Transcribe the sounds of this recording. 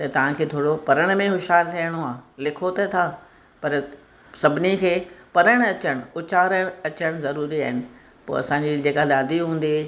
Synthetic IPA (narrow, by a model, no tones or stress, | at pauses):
t̪ɐt̪ɐʋ̤ãkʰeːt̪ʰoːɽopɐɾəɽ̃mẽɦʊʃɦaːlt̪ʰɐjəɽ̃oaːlɪkʰot̪ɐt̪ʰaː | pɐɾ | sɐbʱɪnikʰeːpɐɾəɽ̃ɐt͡ɕəɽ̃ʊt͡ɕaːɾəɽ̃ɐt͡ɕəɽ̃zɐɾuːɾiaːɦɪnɪ̆ | po̰ːɐ̰sãɲd͡ʑid͡ʑeːkalaːd̪iɦũːn̆d̪i